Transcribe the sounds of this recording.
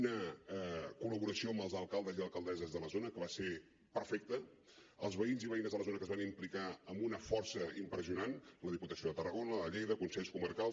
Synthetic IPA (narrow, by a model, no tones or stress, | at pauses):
nə | kuləβuɾəsioəmbəlˠzəlˠkalˠd̪əziəlˠkəlˠd̪ɛzəzðələzonəkəβase | pəɾfek̚t̪ə | əlˠzβəinziβəinəzðələzonəkəzβanimplikaəmbunəfɔrsəimpɾəziunanləðiput̪əsioðət̪ərəɣonələʎejðəkunsɛʎskuməɾkalˠ